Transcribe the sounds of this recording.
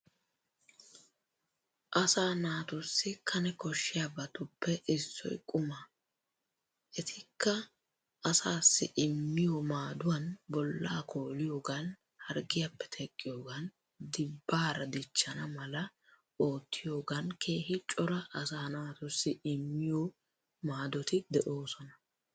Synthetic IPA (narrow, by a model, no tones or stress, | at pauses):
ʔɐsaːnaːt̪ʊsːɪkʰɐnɛkɔʃːɪjabɐt̪ʊpːɛʔɪsːɔ̰jkʼʊmɐ | ʔɛt̪ʰɪkːɐ | ɐsaːsːɪ̰ʔɪmːɪjɔmaːd̪ʊwɐnbɔlːaːkʰo̞ːlɪjo̞ːɡɐn | hɐɾɡɪjɐpːɛ̥t̪ʰɛkʼːɪjo̞ːɡɐn | d̪ɪbːaːɾɐd̪ɪt͡ʃːɐnɐmɐlɐ | o̞ːt̪ʰːɪjo̞ːɡɐnkʰe̞ːhɪt͡ʃʼːɔɾɐʔɐsɐhɐnaːt̪ʊsːɪʔɪmːɪjɔ | maːd̪ɔt̪ɪd̪ɛʔo̞ːsɔnɐ